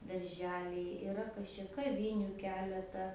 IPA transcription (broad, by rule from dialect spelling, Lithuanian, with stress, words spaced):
dɐrʲˈʒʲæːlʲɛɪ ɪˈrɐ kɐs t͡ʃʲɛ kɐˈʋʲɪnʲʊ ˈkʲæːlʲɛtɐ